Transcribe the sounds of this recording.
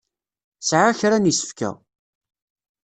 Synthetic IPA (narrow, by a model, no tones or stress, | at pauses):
sʕaçɾanisə̥fkæ̰